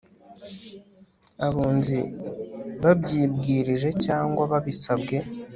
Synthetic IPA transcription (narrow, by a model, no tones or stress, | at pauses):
aβuːnzi | βabɟiːbɡiːɾiʒe̞caːŋɡwaβaβisabɡe̞